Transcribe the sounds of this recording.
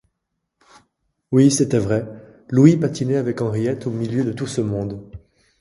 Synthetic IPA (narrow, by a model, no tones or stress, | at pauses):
wisɛt̪ɛvʁɛ | luipat̪ʰinɛavɛkɑ̃ʁijɛt̪ʰomiljød̪ət̪usəmɔ̃d̪